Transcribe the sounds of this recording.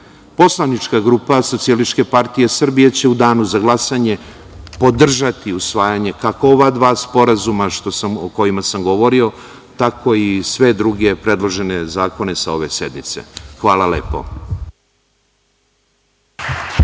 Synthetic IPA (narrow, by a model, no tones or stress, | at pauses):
po̞slˠanit͡ʃkaɡɾuːpaso̞t̪sijelit͡ʃke̞paɾt̪ije̞sr̩bijet͡ɕe̞ud̪aːnuzaɡlˠasaɲe̞ | pod̪r̩ʒat̪iusʋaːjaɲe̞kakooʋad̪ʋaːspo̞ɾazumaʃt̪o̞samoko̞jimasamɡo̞ʋo̞ɾio̞ | t̪akʰo̞isʋe̞d̪ɾuɡe̞pɾe̞d̪lˠo̞ʒe̞ne̞zaːko̞ne̞sao̞ʋe̞se̞d̪nit̪se̞̰xʋaːlale̞̰po̞̰